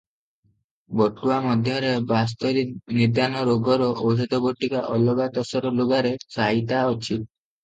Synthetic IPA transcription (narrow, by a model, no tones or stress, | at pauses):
bɔʈuamɔd̪ʱjɔɾebas̬t̪ɔɾinid̪janɔɾoɡɔɾɔʔɔwd͡ʒɔt̪ɔbɔʈːikaʔɔlɔɡat̪ɔsɔɾɔloɡaɾesaɦit̪aɔt͡ʃʰi